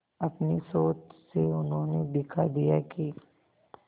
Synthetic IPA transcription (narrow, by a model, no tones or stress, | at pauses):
ɐpnisoːt͡ʃseʊnɦõned̪ɪkʰad̪ijaki